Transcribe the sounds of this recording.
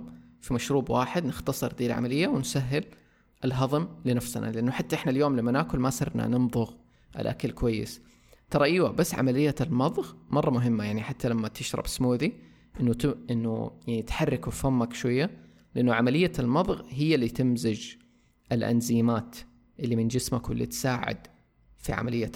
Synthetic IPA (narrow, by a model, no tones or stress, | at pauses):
fimaʃɾuːbwaːħɪd̪nɪxt̪ɑsˤɨɾd̪iːlʕa̰malɪjːawɪnsaɦːɪl | ʔɪlɦɑðˤɨmlɪnafsna̰lɪʔanːʊħat̪ːaʔɪħnaljoːmlamːanaːkʊlmasɨrˤna̰nɪnðˤʊɣ | ʔɪ̰lʔa̰kalkwajːɪ̰s | t̪ɑɾˤɑʔiːwabasːʕa̰malɪjːalmɑðˤɣmɑrˤːɑmʊɦɪmːajaʕniħat̪ːalamːat̪ɪʃɾˤɑ̰bsmuːði | ʔɪnːʊɪnːʊ̰jaʕnit̪ħarˤːɪkufamːakʃwajːa | lɪʔanːʊʕamalɪjːalmɑðˤɣɦɪjːalːit̪ɪmzɪd͡ʒ | ʔɪlʔa̰nziːmaːt̪ | ʔɪlːimɪnd͡ʒɪsmakwɪ̰lːḭt̪saːʕɪ̰d̪ | fḭʕa̰malɪjːa